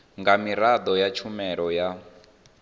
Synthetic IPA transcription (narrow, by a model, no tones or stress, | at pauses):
ŋɡamiɾad̪ɔjat͡ʃʰumɛɺɔja